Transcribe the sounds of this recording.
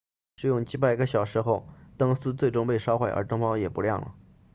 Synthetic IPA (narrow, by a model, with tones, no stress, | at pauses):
ʂɻ̩˥˩jʊ˥˩ŋt͡ɕi˧˥pa˥˩˧ɡə˧ɕjɑ˨˩ʊʂɻ̩˧˥xo˥˧ʊt̪ɤ˥ŋsɹ̩˥t͡swe˥˩ɪʈ͡ʂʊ˥ŋpe˥˧ɪʂɑ˥ʊxwe˥˩ə̰˞˧˥t̪ɤ˥ŋpɑ˥ʊjɛ˨˩pu˧˥ljɑ̰˥˩ŋlə̰˩